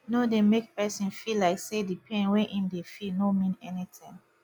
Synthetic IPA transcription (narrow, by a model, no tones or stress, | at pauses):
nodemek̚pɛsĩnfilaɪksedipʰɛ̃nwɛ̃ʔĩmdefilnomĩnɛnitʰĩm